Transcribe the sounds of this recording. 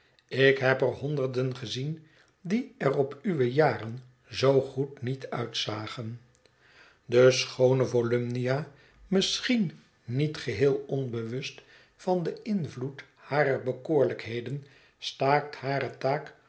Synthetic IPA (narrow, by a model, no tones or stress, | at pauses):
ɪkɦɛpərɦɔndərdənχəzin | diɛrɔpyʋəjaːɾən | zowχutnitœ̰ɥtsaːχən | dəsχownəvolʏmnijaː | mɪsχin | nitχəɦɪːlˠɔnbəʋɵst | fɑndəɪnvlut | haːɾəɹbəkoːɹləkɦejdən | staːk̚thaːɾətaːk